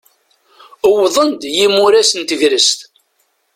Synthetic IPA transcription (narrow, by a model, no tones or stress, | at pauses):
əwðˤənd̪jimuɾæsənt̪əʝɾəst̪